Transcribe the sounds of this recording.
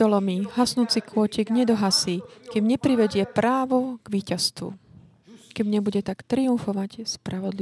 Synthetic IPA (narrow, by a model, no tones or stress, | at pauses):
ɔlɔmiɦasnuːt͡sikʊɔcɛɡɲɛd̪ɔɦasiːkɛmɲɛpɾiʋɛɟɪɛpɾaːʋɔɡ̥ʋiːcast̪ṵ | kɛbɲɛbuɟɛt̪akt̪ɾiuɱfɔʋacspɾaʋɔd̪li